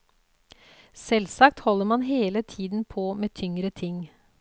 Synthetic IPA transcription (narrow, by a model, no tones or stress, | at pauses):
sɛlsɑk̚t̪hɔlːəɾmɑnɦeːlət̪ʰiːd̪n̩pʰoːmeːt̪ʰʏŋɾət̪ʰɪŋː